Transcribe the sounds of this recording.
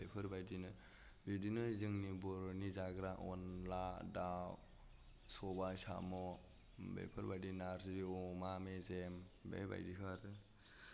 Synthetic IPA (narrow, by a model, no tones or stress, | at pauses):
bepʰɯɾbajdinɯ | bidinɯzɯŋnibɔɾnizaɡɾaʔɔnladaw | sɔbasa̰mɔ | bḛpʰɯɾbajdinaɾsiɔmamezembḛba̰jdikʰɯaɾɯ